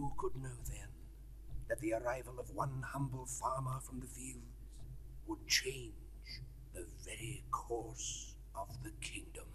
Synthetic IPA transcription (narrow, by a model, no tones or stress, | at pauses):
hukʰədⁿnoʊðɨ̃n | ðɨt̪̚ðiə˞aɪvəl̩ˠʌvwʌ̃nhʌ̃mbl̩ˠfɑɹmə˞fɹʌ̃mðɨfilˠd | z̥ | wəd̚t͡ʃʰẽɪ̃n | d͡ʒ | ðɨvɛɹikʰɔɹs | ʌvðɨkʰɪ̃ŋdɨ̃m